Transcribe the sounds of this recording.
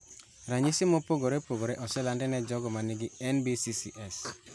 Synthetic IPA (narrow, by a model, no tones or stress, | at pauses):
ɾaɲisimopoɡoɾepoɡoɾɛʔɔsɛlandɛnɛd͡ʒɔɡɔmanɪɡiɛnbisisiʔɛs